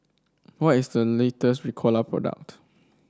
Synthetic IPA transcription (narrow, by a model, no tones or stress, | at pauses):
wɔtisdəletəstɹikʰɔlapʰɹɔ̰da̰k̚t